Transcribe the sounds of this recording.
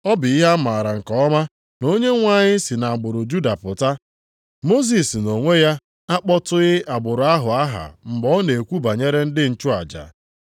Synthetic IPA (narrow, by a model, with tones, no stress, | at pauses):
ɔ˦bɪ˨i˦ɦa˦ma˨ɾa˨ŋ̩˨kɔ˨ɔ˦ma˦ | no˦ɲe˦ŋʷa˦˨ɲɪ˦si˨na˨ɡ͡bʊ˨ɾʊ˨d͡ʒu˦da˨pʊ˨ta˦ | mo˦z̬i˨sno˨ŋʷe˦ja˦ | a˦k͡pɔ˦tʊ˦ɣɪ˦ʔa˨ɡ͡bʊ˨ɾʊ˨˦a˦ɦʊ˨a˦ɦa̰˨m̩˨ɡ͡bɔ˦ne˨kʷu˦ba˨ɲe˦ɾe˦n̩˦dɪ˦n̩˨t͡ʃʊ˦a̰˨d͡ʒa̰˨